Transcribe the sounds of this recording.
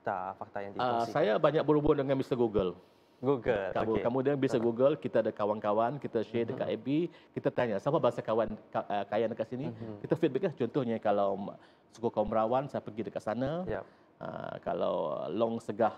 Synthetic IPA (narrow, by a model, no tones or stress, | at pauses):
t̪afak̚t̪ajaŋdiasajabaɲak̚bəɾubʊndəŋanbisaɡuɡəl | ɡuɡəlkaukamudianbisaɡuɡəlkit̪aːdakawankawankit̪aʃedəka̰ʔebikit̪at̪aɲasapabaɦasakawanəkajandəkaʔsinikit̪afit̪̚bək̚laht͡ʃɔnt̪ʊhɲakalaw | su̥kukawanbəɾawansajapəɡidəkaʔsanaj | ʔə̰ka̰la̰w̰lɔŋsəɡah